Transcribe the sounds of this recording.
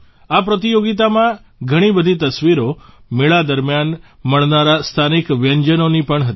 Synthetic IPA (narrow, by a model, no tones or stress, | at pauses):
apɾət̪ijoɡit̪̬amã | ɡʱəɽ̃ibəd̪ʱit̪əsʋiɾo | meɭad̪əɾmjan | məɭnaɾast̪ʰanikʋjəɲd͡ʒənonipəɳɦət̪